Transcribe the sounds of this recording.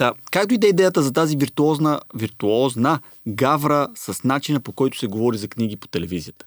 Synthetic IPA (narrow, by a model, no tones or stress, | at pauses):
t̪akakt̪oid̪ɛid̪ɛjət̪əzɐt̪aziviɾt̪uɔznəviɾt̪uɔznə | ɡavɾəsəsnat͡ʃinəpokɔjt̪ʊ̥sɛɡovɔɾizɐkniɡ̟ipo̥t̪ɛlɛvizijət̪ə̥